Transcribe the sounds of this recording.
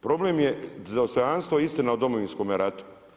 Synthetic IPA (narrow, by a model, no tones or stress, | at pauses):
pɾo̞blemjezaost̪ojanst̪ʋoist̪inaod̪o̞moʋinsko̞ːmeɾat̪u̥